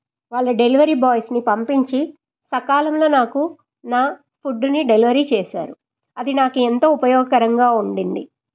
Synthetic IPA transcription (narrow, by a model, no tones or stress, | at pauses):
ʋaːɭːɐɖe̞liʋɐɾiːbaːjsnipɐmpiɲt͡ʃi | sɐkaːlɐmlo̞ːnaːku | naː | pʰuɖːuniɖe̞liʋɐɾiːt͡ʃɛːsa̰ːɾu | ɐd̪inaːkuent̪oːupɐjɔːɡɐkɐɾɐŋɡaːuɳɖind̪i